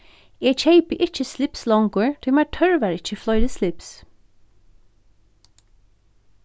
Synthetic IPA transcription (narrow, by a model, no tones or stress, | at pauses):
ɛːt͡ʃʰeɪpəʔɪt͡ʃːəslɪpslɔŋkʊɹt̪ʰʏmaɹt̪ʰœɹʋaɹɪt͡ʃːəflɔjðɪslɪps